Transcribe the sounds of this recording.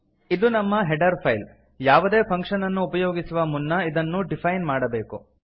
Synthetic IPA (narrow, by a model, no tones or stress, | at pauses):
id̪unɐmːɐɦɛɖɐɾpʰɐjl | jaːʋud̪e̞ːpʰɐŋkʂɐnɐnːuːpɐjoːɡisuʋɐmunːɐid̪ɐnːuɖipʰɐjnmaːɽɐbe̞ːku